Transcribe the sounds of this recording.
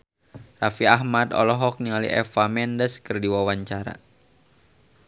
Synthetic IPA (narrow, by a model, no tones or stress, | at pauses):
rafiaɦmad̪ɔ̰lɔɦɔk̚niŋalḭʔɛfamɛndəskərdiwawaɲt͡ʃaɾa̰